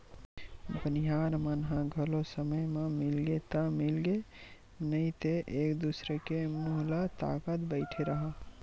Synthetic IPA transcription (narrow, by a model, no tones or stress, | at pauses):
bəniɦaɾmənɦãɡʱəlosəməjmẽmɪlɡet̪əmɪlɡe | nəĩt̪eʔekd̪usɾekemʊɦlat̪a̰ːkət̪bəɪʈʰeɾəɦa